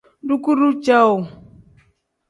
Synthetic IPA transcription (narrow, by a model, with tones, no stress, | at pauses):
du˦ku˦ɾu˦t͡ʃa˦u˨